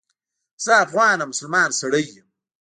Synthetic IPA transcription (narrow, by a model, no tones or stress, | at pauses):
saːfɣaːnɐmʊsɐlmɑːnsɐɽɐj